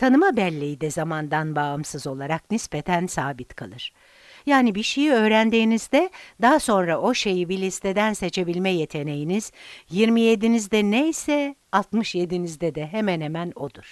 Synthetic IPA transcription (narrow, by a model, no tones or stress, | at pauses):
t̪ʰanɯmabɛlʲːejid̪ɛzamand̪anbaɯmsɯzo̞lˠaɾaknispet̪ʰænsaːbit̪kʰalˠɯɾ̥ | jaːnibiʃejiø̞ːɾænd̪iːnizd̪ɛd̪aɦaso̞nɾaʔo̞ʃe̞jibilʲist̪ʰed̪ænse̞t͡ʃʰe̞bilʲmɛje̞t̪ʰe̞ne̞jiniz̥jiɾmije̞d̪inizd̪ɛnejsɛalˠt̪mɯʃje̞d̪inizd̪ɛd̪ɛɦemɛnhemæno̞d̪uɾ̥